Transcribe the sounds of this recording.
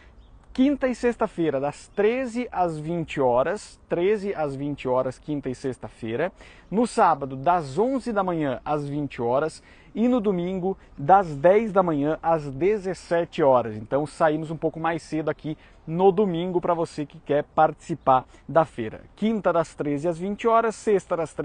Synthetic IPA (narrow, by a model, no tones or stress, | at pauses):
kĩnt̪ɐɪsest̪ɐfejɾɐd̪ɐst̪ɾezɪʔazvĩnt͡ʃɪɔɾɐst̪ɾezɪʔazvĩnt͡ʃɪɔɾɐskĩnt̪ɐɪsest̪ɐfejɾɐ | nʊsabɐd̪ʊd̪ɐzõzɪd̪ɐmɐ̃ɲɐ̃azvĩnt͡ʃɪɔɾɐs | ɪnʊd̪omĩŋɡʊ | d̪ɐzd̪ɛjzd̪ɐmɐ̃ɲɐ̃ʔazd̪ezesɛt͡ʃɪɔɾɐzẽnt̪ɐ̃w̃saimʊzũpowkʊmajsed̪ʊaki | nʊd̪omĩŋɡʊpɾɐvosekɪkɛɾpaɾt͡ʃi̥sipaɾ | d̪ɐfejɾɐ̰kĩnt̪ɐd̪ɐst̪ɾezɪɐzvĩnt͡ʃɪɔɾɐsːest̪ɐd̪ɐst̪